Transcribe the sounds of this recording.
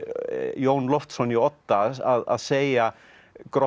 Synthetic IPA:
joːwnlɔft̪sɔniɔt̪ːaaða̰ðseːja | kɾɔ

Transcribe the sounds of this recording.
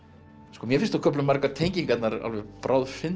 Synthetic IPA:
skɔːmjɛfɪnst̪akʰœplʏmːaɾkaɾ̥t̪ʰeːjɲciŋkat̪naɾa̰lvɛpɾʔaːwðfɪn

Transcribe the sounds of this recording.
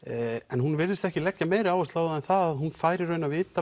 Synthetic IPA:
ɛnɦunvɪɾðɪst̪ɛhcɪlɛcːameːjɾɪaːwɛst̪laːwðaɛnθaðaðhunfaːjɾɪɾœːɥnavɪːt̪a

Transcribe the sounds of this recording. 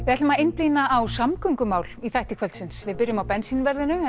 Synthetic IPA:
vɪðɛht̪lʏmaɪnplinaːwsamkʏŋkʏmaːwliθajht̪ikʰœlt̪sɪnsvɪðpɪɾjʏmawpɛnsinvɛɾðɪnʏ

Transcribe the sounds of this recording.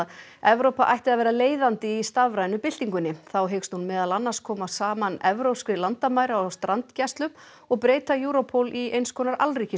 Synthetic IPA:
ɛvɾowpaʔa̰jht̪ɪaðvɛːɾaleːjðant̪ɪist̪avɾaːjnʏpɪl̥t̪iŋkʏnːɪθawɦekst̪hunmɛːðalanːaskʰɔːmasaːmanɛvɾowpskɾɪlant̪amaːjɾaaawst̪ɾant̪cast̪lʏm | ɔɣpɾeːjt̪ajuːɾopʰowlʔiejnskʰɔːnaɾʔa̰lriːcɪ

